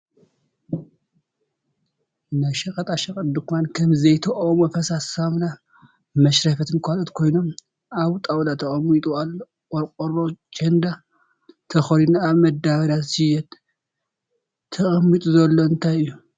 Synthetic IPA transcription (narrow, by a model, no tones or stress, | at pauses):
naʃɐkʼɐt̪ʼaʃɐkʼɐt̪d̪ɨkmankʰɐmzɐjt̪ʰɐʔomofʰɐsasamna | mɐʃɾɐfɐt̪ʰɨnkʰʷalot̪kʰo̞jno̞m | aβt̪ʼawlat̪ʰɐχʼɐmːit̪ʼualːoɔɾkʼoɾot͡ʃɐnd̪a | t̪ʰɐxoɾinaːβmɐd̪awɐd̪asɨjɛt̪ | ɐχʼɐmːit̪ʼuzɐlːoɨnt̪ʰajɨjːu